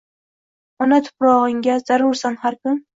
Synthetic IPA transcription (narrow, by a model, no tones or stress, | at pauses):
manat̪ʰʊ̥pɾɒʁɨŋɡʲazaɾʊɾsanhaɾkʊn